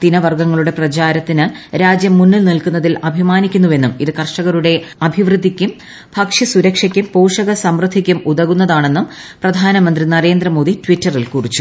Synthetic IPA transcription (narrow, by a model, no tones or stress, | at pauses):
t̪inɐʋɐrɡɐŋːɐɭuɽe̞prɐt͡ɕaːɾɐt̪ːinɨɾaːd͡ʑjɐmːunːilnilkunːɐðilɐbʱimaːnikʲːunːuʋe̞nːumiðɨkɐrʂɐɣɐɾuɽe̞ɐbʱiʋrɨd̪ʱːikʲːum | bʱɐkʂɐsuɾɐkʂɐkʲːumpoːʂɐɣɐsɐmrɨd̪ʱːikʲːumuðɐɣunːɐðaːɳe̞nːum | prɐd̪ʱaːnɐmɐnd̪rinɐɾe̞ːnd̪rɐmo̞ːd̪itʋitːɐrilkurit͡ɕːu